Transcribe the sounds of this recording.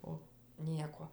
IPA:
oː ˈnʲiɛkoː

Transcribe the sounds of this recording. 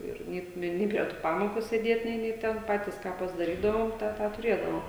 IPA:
ˈɪr ˈnʲeː ˈnʲeː pʲrʲiɛ ˈtuː ˈpɑːmoːkʊ sʲeːˈdʲeːt ˈnʲeː ˈnʲeː ˈtʲɛn ˈpɑːtʲiːs ˈkɑː pɐzdɐˈrʲiːdɐʋoːm ˈtɑː tɑː tʊˈrʲeːdɐʋoːm

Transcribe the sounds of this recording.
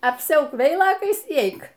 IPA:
ɐpʲˈsʲɛʊk ˈʋʲɛɪlˠoːkɐɪs iː ˈɛɪk

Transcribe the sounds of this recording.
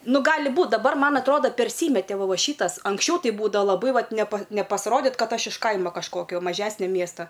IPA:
ˈnʊ ˈɡɑːlʲɪ ˈbuːt dɐˈbɐr ˈmɐn ɐtˈroːdɐ pʲɛrʲˈsʲiːmʲɛtʲɛ ˈʋɐ ˈʋɐ ˈʃʲiːtɐs ɐŋksʲˈt͡ʃʲɛʊ tʲɪ ˈbuːdɐʋɐ lˠɐˈbɐɪ ˈʋɐt nʲɛpɐ nʲɛpɐsˈroːdʲɪt ˈkɐt ˈɐʃ ɪʃ ˈkɐɪmoː kɐʃˈkoːkʲoː mɐˈʒʲæːsʲnʲoː ˈmʲiɛstɐ

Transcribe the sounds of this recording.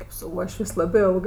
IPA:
kʲeːp sʊ ˈuɔʃʲʋʲeːsʲ ˈlˠɑːbɜ ˈɪlˠɡɜ

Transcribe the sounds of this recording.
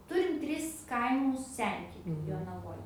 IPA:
ˈtʊrʲɪm ˈtʲrʲɪs ˈkɐɪmʊs ˈsʲɛnʲtʲɪkʲuː joːnɐˈʋoːj

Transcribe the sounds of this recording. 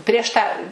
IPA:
pʲrʲiɛʃ ˈtɑː

